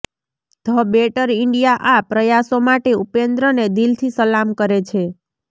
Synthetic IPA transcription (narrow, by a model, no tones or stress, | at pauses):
d̪ʱəbeʈəɾiɳɖijaʔapɾəjasomaʈeupend̪ɾəned̪ilt̪ʰisəlamkəɾet͡ʃʰe